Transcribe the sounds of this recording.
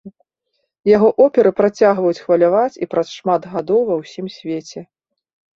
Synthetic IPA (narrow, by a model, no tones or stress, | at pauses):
jaɣɔʔɔpʲɛɾɨpɾat͡sʲaɣvɐjut͡sʲxvɐlʲavat͡sʲipɾɐsʂmad̪ɣad̪ɔwvɐwsʲimsʲvʲet͡sʲɛ